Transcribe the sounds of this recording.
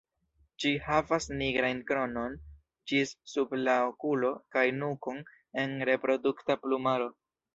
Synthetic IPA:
d͡ʒihavasniɡɾankɾo̞no̞n | d͡ʒissublaokulo̞kajnukon | e̞nɾe̞pɾo̞duktaplumaɾo̞

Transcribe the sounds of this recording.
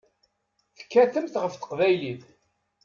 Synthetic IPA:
θə̥kːæθəmt̪ʁəfθə̥qvæjliθ

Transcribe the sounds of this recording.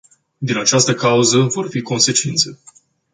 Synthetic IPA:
d̪inat͡ʃast̪əkauzəvo̞rfiko̞nse̞t͡ʃint̪se̞

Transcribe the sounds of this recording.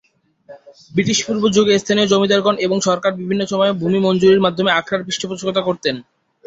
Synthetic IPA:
bɾit̪iʃpuɾbod͡ʑoɡest̪ʰaniod͡ʑomid̪aɾɡoneboŋʃɔɾkaɾbibʱinːoʃɔmɔebʱumimond͡ʑuɾiɾmad̪ʱːomeakʰɾaɾbɾiʃʈʰopɾot͡ɕkot̪akoɾt̪en

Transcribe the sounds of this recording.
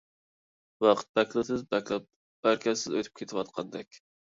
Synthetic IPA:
wɑqʰə̥t̪̚bɛkʲlˠɨsɪzbækʲlæp | b̥æɾkʲʰɛsɪzøt̪ʰy̥p̚kʰʲet̪ʰɪwɑt̪̚qʰɑnd̪ɛkʲ

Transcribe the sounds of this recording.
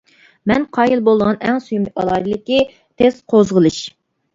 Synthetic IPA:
mɛnqʰɑːjilˠbolˠd̪əʁɑnɛŋsujmɨɑlˠɑj̪ɨlɪkʲi | t̪ʰesqʰozʁəlˠɨʃ

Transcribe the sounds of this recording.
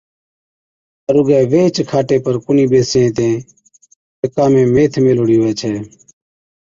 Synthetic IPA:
əɾʊɡɛːʋeːt͡ʃkʰaːʈeːpəɾkʊniːbeːsẽːt̪ẽː | əkaːmẽːmeːt̪ʰmeːloɽiːɦʊʋɛːt͡ʃʰɛː

